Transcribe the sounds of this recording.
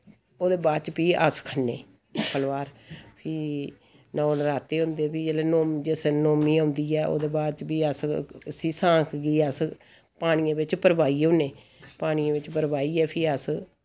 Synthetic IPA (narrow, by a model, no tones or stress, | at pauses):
oːd̪eːbaːt͡ʃpiːʔə̰skʰənːeː | pəlʋaːɾpʰiː | nãːoːnɾaːt̪ːeːɦʊ̃nd̪eːpiːd͡ʒeleːnoːmd͡ʒesnoːmĩːɦʊ̃ːnd̪iːɛːʔo̰ːd̪eːbaːd̪t͡ʃpiːəsəsĩːsãːkʰɡiːəs | paːɽ̃iːãːʋɪt͡ʃpəɾbaːiːoneː | paːɽ̃iːãːʋɪt͡ʃpəɾbaːiːɛːpʰɪːəs